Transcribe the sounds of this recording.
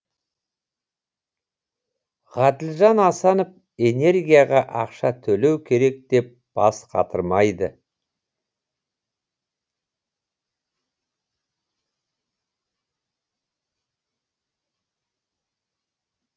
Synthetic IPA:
ʁɑd̪ɪlʒɑnɑsɑnop̚ | e̞ne̞ɾɡʲijɑʁɑʔɑqʃɑt̪ʰɵle̞wkʲʰe̞ɾe̞k̚d̪̥e̞p̚b̥ɑ̰sqʰɑ̰t̪ʰəɾmɑjd̪ə̰

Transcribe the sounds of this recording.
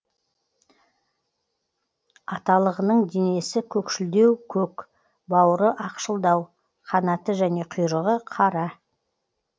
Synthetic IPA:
ɑt̪ɑlˠəʁənəɴd̪ene̞sɪkʲʰɵkʃɪld̪e̞wkʲʰɵk | bɑwəɾəʔɑqʃəlˠd̪ɑw | qʰɑnɑt̪əʒæne̞qʰʊjɾəʁəqʰɑɾɑ

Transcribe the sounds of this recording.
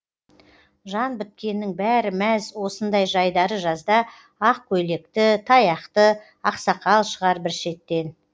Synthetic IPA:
ʒɑnbɪt̪̚kʲe̞nːɪŋbæɾɪmæzwo̞sənd̪ɑjʒɑjd̪ɑɾəʒɑzd̪ɑ | ɑq̚kʲʰɵjle̞kt̪ɪt̪ʰɑjɑqt̪ə | ɑqsɑqɑlˠʃəʁɑɾbɪɾʃe̞t̪ːe̞n

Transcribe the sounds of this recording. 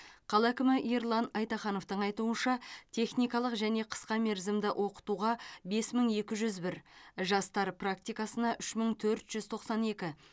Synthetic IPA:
qʰɑlˠækʲɪmɪʔijɾlˠɑnɑjt̪ɑχɑno̞ft̪əɴɑjt̪uənʃɑt̪ʰe̞χnijkɑlˠəqʒæne̞qʰə̥sqɑme̞ɾzɪmd̪ɪʔwʔo̞qə̥t̪uʁɑbe̞sməɴe̞kʲɪʒʏzbɪɾʒɑst̪ɑɾprak̚t̪ʲijkɑsənɑʔʏʃməɴt̪ʰɵɾt̪ʒ̥ʏz̥t̪ʰo̞qsɑne̞kʲɪ

